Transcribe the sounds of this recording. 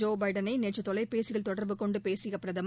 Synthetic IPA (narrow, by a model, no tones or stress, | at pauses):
oːbɐɪɖɐnɐɪneːʈrɐt̪ɔlɐɪpːeːsɪɣɐɭt̪ɔɽɐɾbɯkɔɳɖɯpeːsɪɣɐpːɪɾɐðɐm